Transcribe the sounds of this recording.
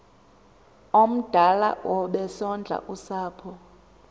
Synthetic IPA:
om̩d̥ʱala̰wʔɔɓɛsɔnd͡ɮʱa̰ʔusaːpʰɔ

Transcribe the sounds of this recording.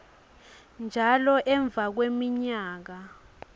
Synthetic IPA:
nd͡ʒʱalɔʔɛɱb̪vʱak̬wemiɲaːk̬a

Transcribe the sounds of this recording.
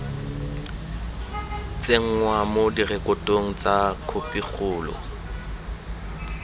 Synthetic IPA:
t͡sʼeŋ̩ŋwamodirɛkʼʊtʼoŋ̩t͡sʼakʰopʼiχʊːlɔ̰

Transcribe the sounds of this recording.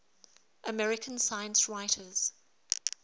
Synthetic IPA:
ʔəmɛɹɪkʰə̃nsaɪə̃nsɹaɪtʰəz̥

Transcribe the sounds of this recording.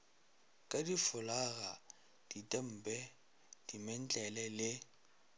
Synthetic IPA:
kʼadifʊlaɣa | d̥itʼɛm̩pʼɛ | d̥imɛn̩t͡ɬʼɛlɛlɪ

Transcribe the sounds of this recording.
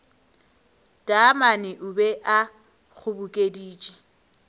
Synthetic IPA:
d̥ʼamanɪʔʊbɛʔa | k͡xʰʊbʊkʼediːt͡ʃʼɛ̥

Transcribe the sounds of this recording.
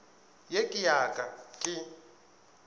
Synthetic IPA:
jekʼijakʼakʼɪ

